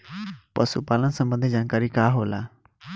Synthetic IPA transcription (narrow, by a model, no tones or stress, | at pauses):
pə̰supaːlənsɐ̃mbə̃nd̪ʱɪd͡ʑaːnkaːɾikaːɦoːlaː